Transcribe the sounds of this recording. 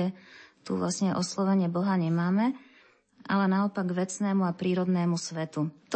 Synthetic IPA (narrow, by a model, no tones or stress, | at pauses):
ɛt̪ṵʋlasɲɛʔɔslɔʋɛɲɪɛbɔɦaɲɛmaːmɛ | alɛnaɔpaɡʋɛt͡snɛːmuapɾiːɾɔd̪nɛːmusʋɛt̪ut̪